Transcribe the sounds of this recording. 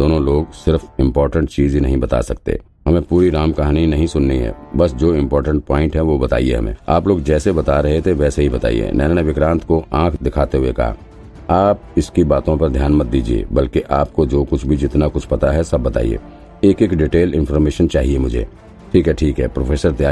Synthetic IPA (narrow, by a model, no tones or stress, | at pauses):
d̪oːnõloːɡsɪɾfɪ̃mpɔːɾʈə̃ɳʈt͡ʃiːzinɐ̰ɦĩbɐt̪a̰sɐk̚t̪ḛ | ɦɐmẽpuːɾiɾaːmkɐɦaːninɐɦĩsʊnːiɦɛ̰bɐsd͡ʒoːɪ̃mpɔːɾʈə̃ɳʈ̚paːɪ̃ɳʈɦɛ̃ʋobɐt̪a̰ːiḛɦɐ̰mḛ̃a̰ːploːɡd͡ʒɛːsebɐt̪aɾɐɦet̪ʰeʋɛːseɦibɐt̪a̰ːḭḛnɛːnneʋɪkɾãːnt̪ʰkoʔãːkʰd̪ɪkʰaːt̪eɦuekɐ̰ɦa̰ | aːp̚ɪskibaːt̪õpɐɾd̪ʱjaːnmɐt̪̚d̪iːd͡ʒiḛːbɐlkeʔaːp̚kod͡ʒoːkʊt͡ʃʰbʱid͡ʒɪt̪nakʊt͡ʃʰpɐt̪aɦɛsɐbːɐt̪a̰ːḭḛː | eːkeːkɖɪʈeːlɪ̃nfɔɾmeːʃənt͡ʃaːɦiemʊd͡ʒʱḛː | ʈʰiːkɦɛʈʰiːkɦɛːpɾoːfʰeːsəɾt̪jaː